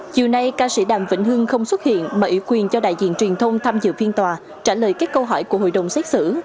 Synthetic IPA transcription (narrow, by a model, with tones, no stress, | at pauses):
t͡ɕi˨˩əwna˧jkaː˧sḭ˧˥ɗaː˧˨˩mvḭ˧˥n̟ɦɨ˧əŋxə˧wŋ͡mswə˦˥t̚hḭ˧˨ənmaː˨˩ʔḭ˧˩˦wkwi˨˩ənt͡ɕɔ˧ɗa̰ː˧˨jzḭ˧˨ənt͡ɕwi˨˩ənt̪ʰə˧wŋ͡mt̪ʰaː˧mzɨ̰˧˨fi˧nt̪waː˨˩ | t͡ɕaː˧˩ləː˨˩jkaː˦˥k̚kə˧wɦɔ˧˩jku˧˩əɦo̰˧˨jɗə˨˩wŋ͡msɛ˦˥k̚sɨ̰˧˥